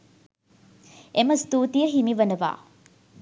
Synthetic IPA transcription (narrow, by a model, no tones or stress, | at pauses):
emɐst̪uːt̪ijɐɦimiʋɐnɐʋa̰ː